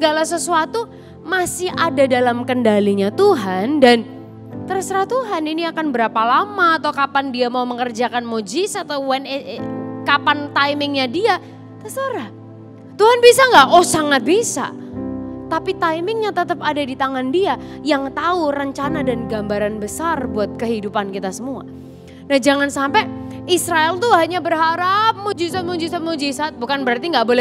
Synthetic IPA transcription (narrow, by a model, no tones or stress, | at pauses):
səɡalasəsuat̪u | masɪhadadalamkəndaliɲat̪uɦandan | t̪əɾsəɾaht̪uɦaniniakanbəɾapalamaːt̪awkapandiamauməŋərd͡ʒakanmod͡ʒisat̪awwɛnekapant̪ajmɪŋɲadia | t̪əsəɾa | t̪uɦanbisaŋɡaʔohsaŋat̪̚bisa̰ | t̪apit̪ajmɪŋɲat̪ət̪əpadadit̪aŋandiajaŋt̪aurəɲt͡ʃanadanɡambaɾanbəsarbuat̪̚kəɦidupankit̪asəmua̰ | nahd͡ʒaŋansampɛisɾaɛlt̪uɦaɲabərɦaɾap̚mod͡ʒisat̪̚mod͡ʒisat̪̚mod͡ʒisat̪̚bukanbəɾart̪iŋɡaʔbolɛ